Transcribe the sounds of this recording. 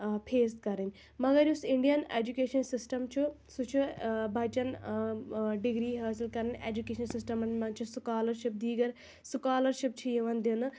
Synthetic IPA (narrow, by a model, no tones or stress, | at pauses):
pʰeːst̪kɐɾɐnʲ | mɐɡɐɾjusiɳɖijɐnḛːd͡ʒukeːʃɐnsisʈɐmt͡ʃʰu | sut͡ʃʰubʱɐt͡ʃɐn | ɖiɡɾiːɦɐːsilkɐɾɐnʲḛːd͡ʒukeːʃɐnsisʈɐmɐnmɐnt͡ʃʰuskaːlɐɾʃip̚d̪iːɡɐɾ | sukaːlɐɾʃip̚t͡ʃʰijiʋɐnd̪inɨ